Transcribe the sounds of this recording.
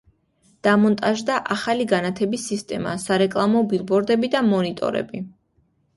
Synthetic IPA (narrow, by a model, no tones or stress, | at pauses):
d̪̥amɔnt̪ʼaʒd̪aʔaχaliɡanat̪ʰɛbisːist̪ʼɛma̰saɾɛkʼlˠamɔbilˠbɔɾd̪ɛbid̪amɔnit̪ʼɔ̰ɾɛ̰bi